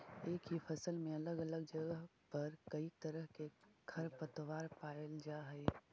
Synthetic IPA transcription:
eːkɦipʰəsəlmẽɐləɡələɡ̚d͡ʒəɡəɦpəɾkəit̪əɾəɦkekʰəɾpət̪waːɾpaeld͡ʒaɦɛj

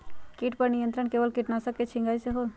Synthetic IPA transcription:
kiʈpɐɾnijə̃nt̪ɾəɳkeːʋəlkiʈnasɐkːet͡ʃʰĩŋɡaːiseɦoː

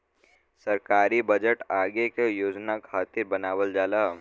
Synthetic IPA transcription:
sɐɾkaːɾibɐd͡ʒəʈaːɡekejoːd͡ʒnakʰaːt̪ɪɾbɐnaːwəld͡ʒaːlaː

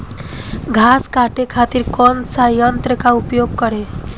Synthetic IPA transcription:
ɡʱaskaʈekʰat̪iɾkɔnsajʌnt̪ɾəkaupjoɡ̚kʌɾe

